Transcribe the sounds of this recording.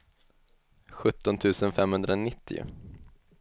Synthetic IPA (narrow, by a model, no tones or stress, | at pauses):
ɧɵt̪ːɔnt̪ʰʉ̟ːsənfɛmhɵnd̪ɾaɔnɪt̪ʰːɪ̰ʊ̰